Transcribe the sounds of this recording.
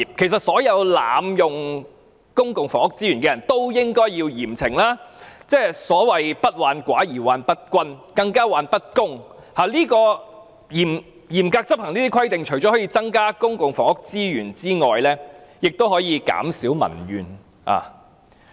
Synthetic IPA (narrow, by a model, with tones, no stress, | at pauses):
p̚kʰe˨˩js̬ɐ˨t̚sɔː˨˥jɐ˨˧wlaː˨mjʊ˨ŋ | kʊ˥ŋkʊ˨ŋfɔː˨ŋʊ˥k̚t͡siː˥ɥyː˨˩nkɛː˧jɐ˨˩nt̪o˥wjɪ˥ŋkɔː˥jjiː˧wjiː˨˩mt͡sʰɪ˨˩ŋlaː˥t͡sɛː˥˩sɔː˨˥wɐ˨jpɐ˥t̚waː˨˧nkʷwa̰ː˨˥jiː˨˩waː˨˧npɐ˥t̚kʷɐ˥nkɐ˧ŋkaː˥waː˨˧npɐ˥t̚kʊ˥ŋ | haː˨˩liː˥kɔː˧ | jiː˨˩m | jiː˨˩mkaː˧k̚t͡sɐ˥p̚hɐ˨˩ŋniː˥t̪iː˥kʰɐ˥jt̪ɪ˨ŋt͡ʃʰɵ˨˩jt͡ʃɔ˨˥hɔː˨˥jiː˧t͡sɐ˥ŋkaː˥kʊ˥ŋkʊ˨ŋfɔː˨˩ŋhʊ˥k̚t͡siː˥jyː˨˩nt͡siː˥ŋɔː˨jlɛː˥jɪ˨k̚t̪o˥whɔː˨˥jiː˨˧ka̰ː˨˥msiː˨˥wmɐ̰˨˩nɥyː˨˩n | a̰ː˨